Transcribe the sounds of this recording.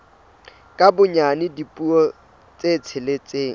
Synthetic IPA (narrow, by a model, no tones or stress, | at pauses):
kʼabʊɲanɪdipʼuɔ | t͡sʼet͡sʰɪlɪt͡sʼeː